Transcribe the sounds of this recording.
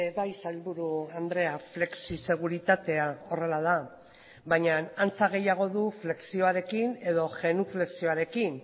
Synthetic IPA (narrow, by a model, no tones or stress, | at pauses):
ebajsalβuɾuand̪ɾe̞afle̞ksise̞ɣ̞uɾit̪at̪e̞ao̞re̞lað̞a | bajɲanant͡saɣ̞e̞jaɣ̞o̞ðufle̞ksio̞aɾe̞kine̞ðo̞ʝe̞nufle̞ksio̞aɾe̞kin